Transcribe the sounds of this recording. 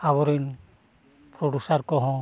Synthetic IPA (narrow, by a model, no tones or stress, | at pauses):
aβɔɾin | pɾɔɖusaɾkɔɦɔ̃